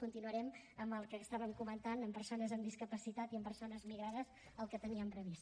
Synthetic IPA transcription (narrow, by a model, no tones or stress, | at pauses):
kunt̪inuəɾɛm | əmbəlˠkəst̪aβəmkumənt̪anəmpəɾsonəzəmd̪iskəpəsit̪at̪iəmpəɾsonəzmiɣɾaðəz | əlˠkət̪əniəmpɾəβist̪